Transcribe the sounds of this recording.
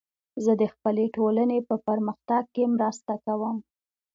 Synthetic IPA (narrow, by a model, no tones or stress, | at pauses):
zəd̪əxpəleʈolanepəpəɾməxt̪aɡ̚kemɾast̪akawəm